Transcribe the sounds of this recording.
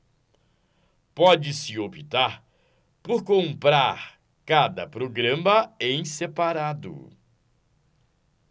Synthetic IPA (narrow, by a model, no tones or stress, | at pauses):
pɔd͡ʒɪsɪobit̪aɾ | poɾkõmpɾaɾ | kad̪ɐpɾoɡɾɐ̃mɐẽj̃sepaɾad̪ʊ̰